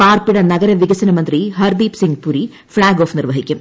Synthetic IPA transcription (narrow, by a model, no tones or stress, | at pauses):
paːrpiɽɐnɐɡɐɾɐʋiɡɐsɐnɐmɐnd̪riɦɐrd̪iːpsiŋɡpuːɾi | fɭaːɡoːfnirʋɐɦikʲːum